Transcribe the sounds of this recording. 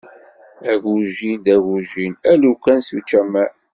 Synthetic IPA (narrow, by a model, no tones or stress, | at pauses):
æʝuʒind̪æʝuʒinælukʷːænsut͡ʃːæmæ